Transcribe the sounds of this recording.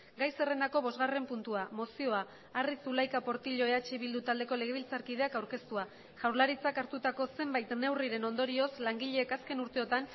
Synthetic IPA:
ɡajse̞re̞nd̪ako̞β̞o̞zɣare̞mpunt̪uamo̞sio̞aː | risulajkapo̞ɾt̪iʎo̞eat͡ʃiβild̪ut̪ald̪e̞ko̞le̞ɣ̞e̞βilt͡saɾkið̞e̞akawɾke̞st̪ua | ʝawɾlaɾit͡sakaɾt̪ut̪ako̞se̞mbajt̪ne̞wriɾe̞no̞nd̪o̞ɾio̞slaŋɡiʎe̞ːkaske̞nuɾt̪e̞o̞t̪an

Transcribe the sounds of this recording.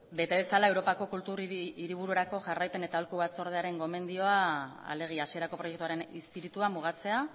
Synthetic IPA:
be̞t̪e̞βe̞salae̞wɾo̞pako̞kult̪uɾiiɾiβ̞uɾueɾako̞ʝarajpe̞ne̞t̪aolkuβat͡so̞ɾð̞eaɾe̞ŋɡo̞me̞nd̪io̞aa̰le̞ɣ̞iasie̞ɾako̞pɾo̞je̞kt̪uaɾe̞nispiɾit̪uamuɣ̞at͡se̞a

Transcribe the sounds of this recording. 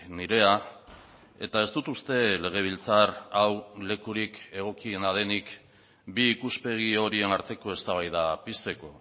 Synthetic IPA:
niɾe̞a | e̞̰t̪ae̞st̪ut̪ust̪e̞le̞ɣ̞e̞β̞ilt͡saɾawle̞kuɾike̞ɣ̞o̞kie̞nað̞e̞nik | biːkuspe̞ɣ̞io̞ɾie̞naɾt̪e̞ko̞e̞st̪aβ̞ajðapist̪e̞ko̞

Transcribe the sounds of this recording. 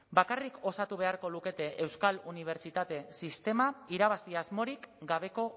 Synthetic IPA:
bakarikʰo̞sat̪uβ̞e̞aɾko̞luke̞t̪e̞ʔewskaluniβ̞e̞ɾt͡ʃit̪at̪e̞sist̪e̞maiɾaβ̞asiazmo̞ɾikɡaβ̞e̞ko̞

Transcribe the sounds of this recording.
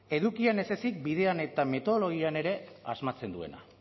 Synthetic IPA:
e̞ðukiane̞se̞sik̚biðe̞ane̞t̪ame̞t̪o̞ðolo̞ɣiane̞ɾe̞azmat͡se̞nd̪ue̞̰na̰

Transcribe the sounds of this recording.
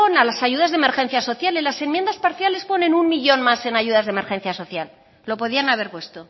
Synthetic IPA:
onalasaʝuðazðe̞me̞ɾxe̞n̟θjaso̞θjalilase̞mjend̪aspaɾθjale̞spo̞nẽ̞nunmiʎo̞nmase̞naʝuðazðe̞me̞ɾxe̞nθjaso̞θjal | lo̞po̞ðianaβ̞e̞ɾpwe̞st̪o

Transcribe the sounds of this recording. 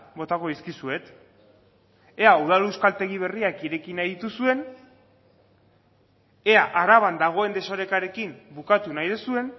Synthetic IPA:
bo̞t̪ako̞iskisue̞t̪ | e̞auð̞alewskalt̪e̞ɣiβ̞e̞riakiɾe̞kinajðit̪usue̞n | e̞aʔaɾaβ̞and̪aɣ̞o̞e̞nd̪e̞so̞ɾe̞kaɾe̞kimbukat̪unajðesue̞n

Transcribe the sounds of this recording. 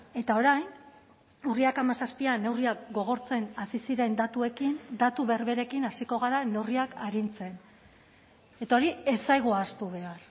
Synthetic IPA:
e̞t̪ao̞ɾajn | uriakamasaspiane̞wriakɡo̞ɣ̞o̞ɾt͡se̞nasisiɾe̞nd̪at̪ue̞kind̪at̪uβe̞ɾβe̞ɾe̞kinasiko̞ɣaɾane̞wriakaɾint͡se̞n | e̞t̪ao̞ɾie̞sajɣ̞uaːst̪uβ̞e̞ar

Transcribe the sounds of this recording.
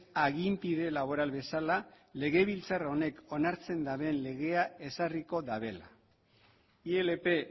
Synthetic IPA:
aɣimpiðe̞laβ̞o̞ɾalβe̞sala | le̞ɣe̞β̞ilt͡sarao̞ne̞ko̞naɾt͡se̞nd̪aβe̞nle̞ɣe̞ae̞sariko̞ðaβe̞la | ie̞lepe̞

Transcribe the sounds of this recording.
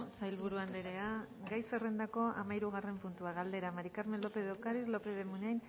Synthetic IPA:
sajlβuɾuand̪eɾe̞a | ɡajsere̞nd̪ako̞a̰majɾuɣ̞are̞mpunt̪uaɣald̪e̞ɾamaɾikaɾmenlo̞peðekaɾiɾlo̞peðemunajn

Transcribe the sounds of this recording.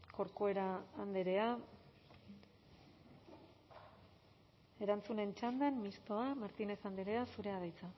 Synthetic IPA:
ko̞ɾkoe̞ɾaːnd̪eɾe̞a | e̞ɾant͡sune̞nt͡ʃand̪anmist̪o̞amaɾt̪ine̞θand̪eɾe̞asuɾe̞aðajt͡sa

